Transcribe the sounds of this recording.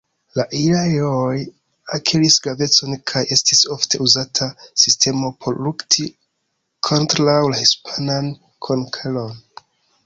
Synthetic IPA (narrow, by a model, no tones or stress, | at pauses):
laʔilaoj | akʰiɾisɡɾave̞t͡so̞nkʰajʔe̞stisoftʰe̞uzatʰasistʰe̞mo̞pʰoɾluktʰi | kʰontɾawlahispʰanan | kʰonkʰelon